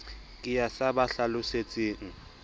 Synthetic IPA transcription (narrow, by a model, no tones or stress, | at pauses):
kʼɪjasabaɬalʊset͡sʼeːŋ̩